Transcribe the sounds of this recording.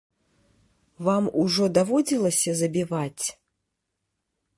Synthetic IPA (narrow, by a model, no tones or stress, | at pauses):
vamuʐɔd̪avɔd͡zʲilˠɐsʲɐzɐbʲivat͡sʲ